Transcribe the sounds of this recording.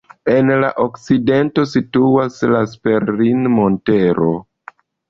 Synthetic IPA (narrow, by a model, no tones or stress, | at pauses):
e̞nla̰ʔokside̞nto̞situaslaspeɾlinmo̞nte̞ɾo̞̰